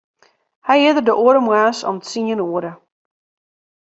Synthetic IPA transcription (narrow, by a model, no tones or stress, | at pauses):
hɛjɦɪədərdəʔoəɾəmwaːsɔ̰mtsiənoəɾə